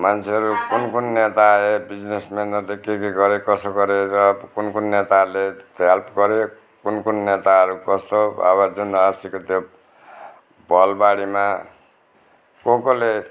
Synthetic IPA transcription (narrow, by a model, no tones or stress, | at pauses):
mant͡sʰeɦʌɾukunkunːet̪aebid͡znesmenʌrlekekiɡʌɾekʌsoɡʌɾeɾʌkunkunːet̪alet̪alpɡʌɾe | kunkunnet̪aʌɾukʌst̪oʌ̰βʌd͡zunʌsikot̪jo | bʌlbaɽima | kokole